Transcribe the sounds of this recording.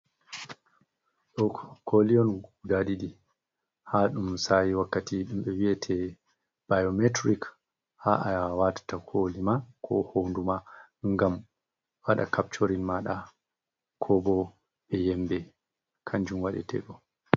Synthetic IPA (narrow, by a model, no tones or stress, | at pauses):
ɗɔkʰoliɔnudaɗiɗi | haɗumsajiwakːatiɗumɓɛwiɛtʰɛ | b̥ajometɾik | haʔawatḁtakʰolimakʰɔ̰hondumaŋɡam | waɗa̰kap̚t͡ʃoɾinmaɗa | kʰɔbɔ | ɓɛjɛmbɛ | kʰaɲd͡ʒumwaɗɛ̰tʰɛ̰ɗɔ